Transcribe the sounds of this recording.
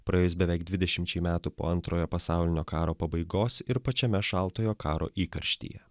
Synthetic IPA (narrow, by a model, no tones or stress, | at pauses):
pɾɐjeːjʊs̬bʲɛʋʲɛɪɡ̚d̪ʲʋʲɪd̪ʲɛʃʲɪmʲt͡ʃʲɛɪmʲæːt̪upo̰ːɐnt̪ɾoːjoːpɐsɑˑʊlʲɪnʲoːkɑːɾoːpɐbɐɪɡoːsɪɾpɐt͡ʃʲɛmʲɛʃɑˑlˠt̪oːjoːkɑːɾo̰ːʔiːkɐɾʲʃʲt̪ʲḭːjɛ̰